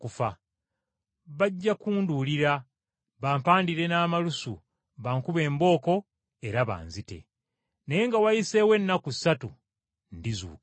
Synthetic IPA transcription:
kufa | βaɟːakuːnduːliɾa | βaːmpaːndiɾe̞naːmalusṵ | βaːŋkuβe̞ːmbo̞ːko̞ | e̞ɾaβa̰ːnzite̞̰ | neje̞ŋɡawajise̞we̞nːakusatṵ | ndizṵːk

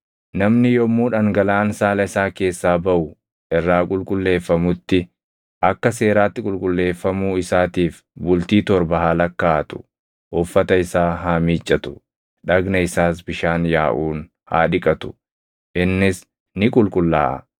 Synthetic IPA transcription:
nɐmnɪjɔmːuːᶑɐŋɡɐlaːnsaːlɐɪsaːke̞ːsːaːbɐʔʊ | ʔɪrːaːkʼʊlkʼʊlːe̞ːfːɐmʊt̪ːɪ | ʔɐkːɐs̬e̞ːɾaːt̪ːɪkʼʊlkʼʊlːe̞ːfːɐmuːɪsaːt̪iːf | bʊlt̪iːt̪ɔɾbɐɦaːlɐkːaːɐt̪ʊ̥ | ʔɔfːɐt̪ɐɪsaːɦaːmiːt͡ʃʼːɐt̪ʊ̥ | ᶑɐɡnɐɪsaːs̬bɪʃaːnjaːʔuːn | ha̰ːᶑɪkʼɐt̪ʊ̥ | ʔɪnːɪs | nɪkʼʊlkʼʊlːa̰ːʔɐ̰

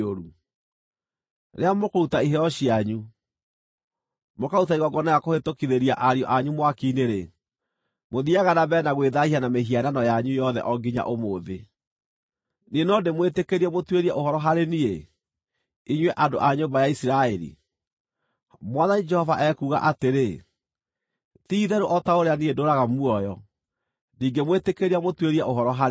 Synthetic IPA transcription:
oɾu | ɾeamokoɾutaiɦɛɔɕiaɲu | mokautaiɣɔɡɔnajakohetokiðeɾiaʔaɾiɔ̰ʔaɲumwakineɾe | moðiaɣanabɛnaɣweðaianameɦiananɔjaɲujɔðɛ̰ʔɔɡiɲa̰ʔomoðe | nenɔdemwetekeɾiɛmotweɾiɛʔohɔɾɔɦaɾenie | iɲweʔadoʔaɲombajaisiɾaɛɾḭ | mwaðanid͡ʒɛhɔvaʔɛkuːɣa̰ʔateɾe | tiːðɛɾoʔɔtaoɾeaniedoɾaɣamwɔjɔ | niːŋɡemwetekeɾiamotweɾiɛʔoɦɔɾɔɦaɾ

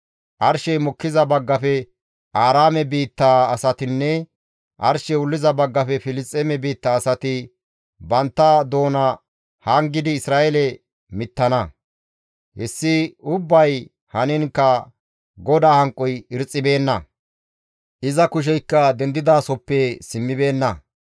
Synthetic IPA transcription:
ʔɐɾʃɛjmɔkːɪzɐbɐɡːɐfɛ | ʔaːɾaːmɛbiːt̪ːaːɐsɐt̪ɪnːɛ | ʔɐ̰ɾʃɛʊlːɪzɐbɐɡːɐfɛfɪlɪstʼːɛmɛbiːt̪ːaːsɐt̪ɪ | bɐnt̪ːɐd̪o̞ːnɐ | hɐŋɡɪd̪ɪːsɾaːʔɛlɛ | mɪt̪ːɐnɐ | hɛsːɪʊbːɐj | hɐnɪŋkːɐ | ɡɔd̪aːhɐŋkʼːɔjɪɾt͡sʼːɪbe̞ːnːɐ | ʔɪzɐkʊʃ̬ɛjkːɐd̪ɛnd̪ɪd̪aːsɔpːɛsɪmːɪbe̞ːnːɐ

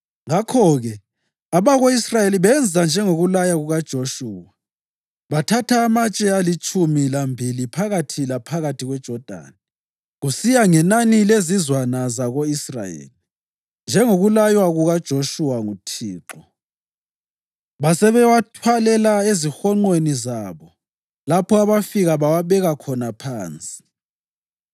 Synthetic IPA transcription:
ŋakʰɔɣɛ | aβaɣoisrajeliβɛnd͡zʱand͡ʒʱɛŋoɣulajaɣuɣad̥ʒ̥ʱoʃuːwa | βatʰatʰaːmat͡ʃʼɛalit͡ʃʼumilambʱilipʰaɣatʰilapʰaɣatʰiɣwɛd̥ʒ̥ʱɔd̥ʱa̰ːni | ɣusijaŋɛnanilezizwanazaɣoisra̰jḛːli | nd͡ʒʱɛŋoɣulajwaɣuɣad̥ʒ̥ʱoʃuwaŋutʰiːǁɔ | βasɛβɛwatʰwalɛlaezixɔŋ͡ǃwenizaːβɔ | lapʰɔaβafiɣaβawaβɛɣakʰɔnapʰaːnt͡sʼi̥

